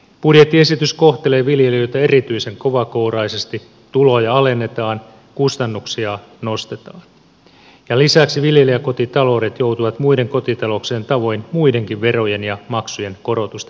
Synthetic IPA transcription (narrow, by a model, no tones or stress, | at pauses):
b̥udje̞t̪ːie̞sit̪ysko̞ht̪e̞le̞ːʋilje̞liø̞jt̪ɑe̞rit̪yise̞ŋko̞ʋɑko̞wɾɑisest̪i | t̪ulo̞ːjɑɑle̞nːe̞t̪ɑːn | kust̪ɑnːuksiɑno̞st̪e̞t̪ɑːn | jɑlisæksiʋilje̞liæko̞t̪it̪ɑlo̞ːɾet̪jo̞wt̪uʋɑt̪muide̞ŋko̞t̪it̪ɑlo̞ksient̪ɑʋo̞inmuide̞ŋkiʋʋe̞ro̞je̞njɑmɑksuje̞nko̞ɾo̞t̪ust̪ɑ